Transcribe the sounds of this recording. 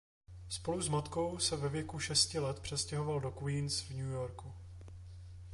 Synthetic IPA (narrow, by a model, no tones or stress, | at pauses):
spo̞luzmat̪ko̞wsɛvɛvjɛkuʃɛscɪlɛt̪pr̝̥ɛscɛɦo̞valdo̞kwiːnsvɲujoɾku